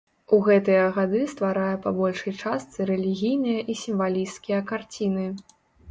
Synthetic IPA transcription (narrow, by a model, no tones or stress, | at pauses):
uɣɛt̪ɨjɐɣad̪ɨst̪vaɾajɐpabɔlʲʂɐjt͡ʂast̪sɨɾɛlʲiɣʲijnɨjɐʔisʲimvalʲijst̪kʲijɐkart͡sʲinɨ